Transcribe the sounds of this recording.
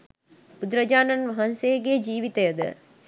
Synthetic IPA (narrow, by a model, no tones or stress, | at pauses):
pud̪ɾɐd͡ʒaːnɐnʋɐɦɐnsejɡed͡ʒiːʋit̪ejəd̪ə̰